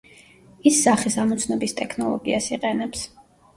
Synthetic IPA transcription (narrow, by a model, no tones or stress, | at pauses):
isːaχisamɔt̪sʰnɔbist̪ʼɛkʰnɔlˠɔ̰ɡḭasiqʼɛnɛps